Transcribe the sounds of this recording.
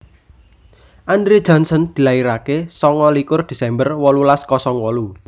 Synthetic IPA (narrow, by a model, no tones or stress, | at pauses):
ʔand̪ɾe̥d͡ʒʒ̥ɔ̤nsɔnd̪̥i̤laiɾakesɔŋɔlikʊrd̪̥i̤sɛmbərwɔlulaskɔsɔŋwɔlu